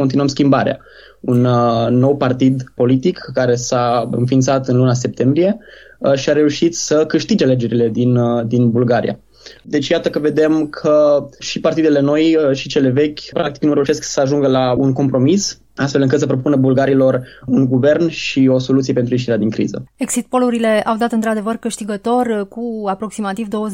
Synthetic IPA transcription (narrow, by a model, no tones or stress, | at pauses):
kont̪inuəmskʲimbaɾea̰ | unːo̞wpart̪id̪po̞lit̪ikːaɾe̞saɨ̰nfint̪sat̪ɨnlunas̬e̞p̚t̪e̞mbɾije̞ʃiaɾe̞uʃit̪səkɨʃt̪id͡ʒeale̞d͡ʒe̞ɾile̞d̪ind̪inbulɡaɾḭja̰ | d̪e̞t͡ʃjat̪əkəve̞d̪e̞mkʰəʃipart̪id̪e̞le̞no̞jʃit͡ʃe̞le̞ve̞kʲpɾʔak̚t̪i̥knuɾe̞uʃesksəaʒuŋɡəlaunko̞mpɾo̞mis | ast̪felɨŋkɨt̪səpɾo̞punəbulɡaɾilo̞runɡuve̞rnʃio̞so̞lut̪sijepe̞nt̪ɾujeʃiɾead̪iŋkɾḭzə̰eksit̪̚po̞luɾile̞awd̪at̪ɨnt̪ɾad̪e̞vərkɨʃt̪iɡət̪o̞rʲkuapɾo̞ksimat̪ivd̪o̞wə